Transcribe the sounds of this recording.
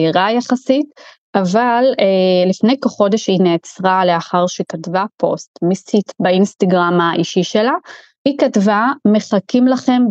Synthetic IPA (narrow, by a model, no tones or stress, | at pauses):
iʁajaχasit | avalelifne̞jkoχo̞deʃhineːt͡sʁaleaχaʁʃekatvapʰo̞̰stmisitbainstaɡʁamaʔiʃiʃela | hikatvame̞χakimlaχe̞m